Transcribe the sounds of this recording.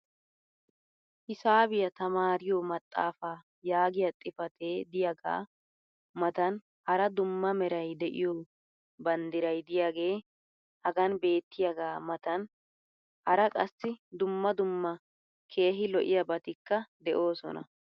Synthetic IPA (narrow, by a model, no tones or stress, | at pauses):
hɪsaːbɪjɐt̪ɐmaːɾɪjomɐt̪ʼːa̰ːfaː | jaːɡɪjɐt̪ʼːɪfɐt̪ʰeːd̪ɪjɐɡa̰ː | mɐt̪ɐn | hɐɾɐd̪ʊmːɐmɛɾɐjd̪ɛʔɪ̰jɔ | bɐnd̪ɪɾɐjd̪ɪjaːɡe̞ː | hɐɡɐnbe̞ːt̪ːɪjɐɡaːmɐt̪ɐn | hɐɾɐkʼɐsːɪd̪ʊmːɐd̪ʊmːɐ | kʰe̞ːɦɪlɔʔɪjɐbɐt̪ɪkːɐd̪ɛʔo̞ːsɔ̰nɐ̰